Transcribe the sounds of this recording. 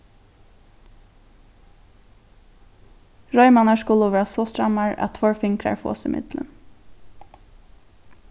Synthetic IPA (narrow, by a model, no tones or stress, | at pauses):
ɹɔʏmɑnɑʃkʊləʋæːɹasoːst̪ɹɑmɑɹɑ̰t̪ʰfɔɹfɪŋkʰɾɑ̰ɹfo̰ːsɪ̰mɪ̰d̪lə̰n